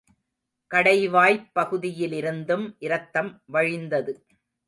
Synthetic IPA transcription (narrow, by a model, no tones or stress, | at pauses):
kɐɽɐɪʋaːjpːɐɣɯðɪjɪlɪɾɯnd̪ɯmʔɪɾɐt̪ːɐmʋɐɻɪnd̪ɐðɯ